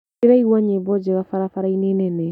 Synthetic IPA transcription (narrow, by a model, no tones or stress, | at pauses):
iɾaiwãɲebɔd͡ʒɛɡafaɾafaɾainẽnɛnɛ